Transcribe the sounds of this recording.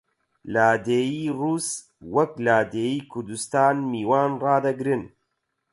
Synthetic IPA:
laːd̪eːjiːruːs | wɐklaːd̪eːjiːkʰʊɾd̪ust̪aːnmiːwaːnrɑːd̪ɐɡɾɨn

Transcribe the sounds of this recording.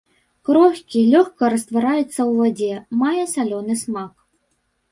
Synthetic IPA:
kɾɔxʲkʲilʲɔxkɐɾɐst̪vaɾajɛt̪sːɐwvad͡zʲɛmajɛsalʲɔnɨsmak

